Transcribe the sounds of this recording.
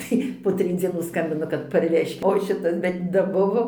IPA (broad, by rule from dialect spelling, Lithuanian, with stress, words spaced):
ˈtɐɪ poː ˈtʲrʲɪj d͡zʲiɛˈnuː ˈskɐmʲbʲɪnɐ kɐt pɐrʲˈʋʲæːʃʲkʲɪt oː ˈʃʲɪtɐs bʲɛt dɐˈbʊʋoː